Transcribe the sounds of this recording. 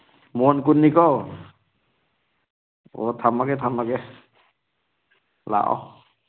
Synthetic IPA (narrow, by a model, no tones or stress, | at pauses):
mɔnkunːikɔw | ɔ̰tʰamakɛtʰamakɛ | la̰ʔɔ̰